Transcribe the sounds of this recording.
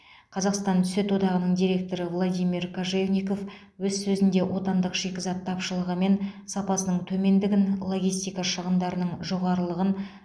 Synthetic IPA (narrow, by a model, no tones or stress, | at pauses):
qʰɑzɑqst̪ɑnt̪ʰʏ̥se̞t̪wo̞d̪ɑʁənəɴd̪ijɾe̞k̚t̪o̞ɾəvlˠod̪ijmirkʰoʒevnʲijko̞f | wɵzsɵzɪnd̪e̞wʔo̞t̪ɑnd̪əqʒ̥e̞kʲɪzɑt̪ʰːɑpʃəlˠəʁəme̞nsɑpɑsənəɴt̪ʰɵme̞nd̪ɪɡʲɪnlˠo̞ɡʲijst̪ijkɑʃəʁənd̪ɑɾənəɴʒo̞ʁɑɾəlˠəʁən